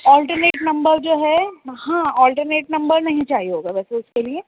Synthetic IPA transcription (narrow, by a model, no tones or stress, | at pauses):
ɔːlʈəɾneːʈnɐ̃mbəɾd͡ʒoːɦɛhãɔːlʈəɾneːʈnɐ̃mbəɾnɐɦĩt͡ʃaːɦiɦoːɡaːʋɛːseʊskelie